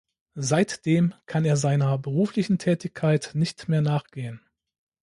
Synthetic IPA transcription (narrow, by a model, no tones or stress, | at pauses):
zaɪtd̥eːmkʰaneːɐzaɪnɐbəʁuːflɪçn̩tʰɛːtɪçkʰaɪtnɪçtmeːɐnaːχɡ̥eːən